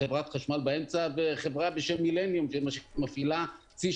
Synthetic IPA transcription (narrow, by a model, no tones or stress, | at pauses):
evʁat̪χaʃmalbaemt͡saveχevʁabeʃemːilenjumʃemaʃemafila | t͡si